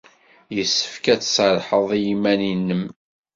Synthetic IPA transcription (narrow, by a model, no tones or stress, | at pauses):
jəsːə̥fkæt͡sːsəɾˤħəðˤijimːæninːəm